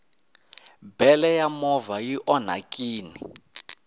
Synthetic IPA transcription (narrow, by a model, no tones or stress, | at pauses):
bɛlɛjamɔvajiʔɔn̤a̰kʼiːni